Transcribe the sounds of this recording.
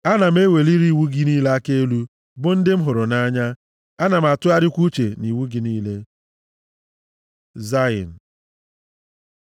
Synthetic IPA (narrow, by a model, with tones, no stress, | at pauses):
a˦na˨m̩˦e˦we˨li˦ɾi˦wu˦ɡi˦niː˦le˦a˦ke˦lu˦ | bʊ˦n̩˦dɪ˦m̩˦ɦʊ˨ɾʊ˨na˦ɲa˦ | a˦na˨m̩˨a˨tʊ˦a˦ɾɪ˦kʷu˦t͡ʃe˨ni˨wu˦ɡi˨˦niː˦le˦ | za˦ḭ˨n̩˨